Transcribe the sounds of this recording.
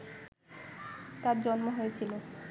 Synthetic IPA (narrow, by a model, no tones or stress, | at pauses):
t̪aɾd͡ʑɔnmoɦoet͡ɕʰilo